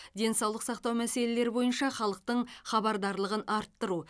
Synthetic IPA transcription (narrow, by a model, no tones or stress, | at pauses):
d̪e̞nsɑwlˠəqsɑqt̪ɑwmæse̞le̞le̞ɾɪbo̞jənʃɑχɑlˠəq̚t̪əɴχɑbɑɾd̪ɑɾlˠəʁənʔɑɾt̪ːəɾu